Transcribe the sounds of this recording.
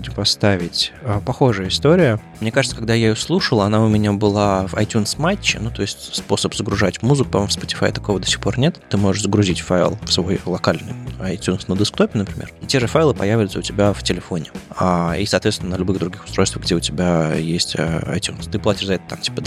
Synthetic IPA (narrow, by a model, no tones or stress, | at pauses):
budʲɪmpɐst̪avʲɪtʲəpɐxo̞ʐɨjəɪst̪o̞ɾʲɪjəmnʲe̞kaʐɨt̪səkɐɡd̪ajaɪjoslˠuʂəlˠəɐnaʊmʲɪnʲabɨlˠavɐ̰jtʲunsmat͡ɕːɪ̰nut̪o̞ɪsʲtʲspo̞səpzəɡɾʊʐatʲmuzɨkʊ̥pɐmmfspətʲɪ̥fajɪt̪ɐ̥ko̞vəd̪osʲɪ̥xpo̞rnʲe̞t̪t̪ɨmo̞ʐəʂzəɡɾʊzʲitʲfaɪlˠfsvo̞jlˠɐkalʲnɨ̰jɐjtʲunsnəd̪əskt̪o̞pʲɪnəpɾʲɪmʲeritʲe̞ʐɨfajlˠɨpɐjævʲɪʊt̪səʊtʲɪbʲaftʲɪlʲɪfo̞nʲɪaḭsɐːt̪vʲesʲnəlʲʊbɨɣd̪ɾʊɡʲixʊ̥st̪ɾo̞jst̪vəɣɡdʲeʊtʲɪbʲajesʲtʲə̰ɐ̰jtʲunst̪ɨplatʲɪ̥ʂzɐɛt̪ə̥t̪amtʲi̥pəd̪